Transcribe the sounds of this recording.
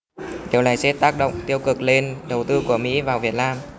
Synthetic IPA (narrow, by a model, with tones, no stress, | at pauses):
ɗe˨˩wla̰ː˧˩jsɛ˦˥t̚t̪aː˦˥k̚ɗə̰˧˨wŋ͡mt̪i˧əwkɨ˨˩k̚le˧nɗə˨˩wt̪ɨ˧ku˧˩əmḭ˧˥vaː˨˩wvi˨˩ət̚naː˧m